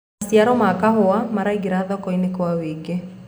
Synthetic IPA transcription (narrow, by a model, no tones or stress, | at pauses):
asiaɾɔmakaɦoamaɾaiɡeɾaðɔkɔinekwaweɡe